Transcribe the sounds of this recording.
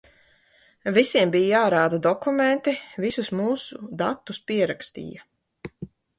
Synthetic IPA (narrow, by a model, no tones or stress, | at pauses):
visiɛmbiːjjaːɾaːd̪ad̪ɔkument̪ivisusmuːsud̪at̪ːuspiɛɾakst̪ḭːja